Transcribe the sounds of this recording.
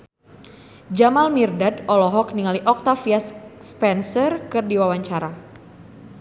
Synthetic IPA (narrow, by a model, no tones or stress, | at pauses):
d͡ʒamalmirdadɔlɔɦɔkniŋaliʔɔk̚t̪afiasspɛnsərkɨrdiwawaɲt͡ʃaɾa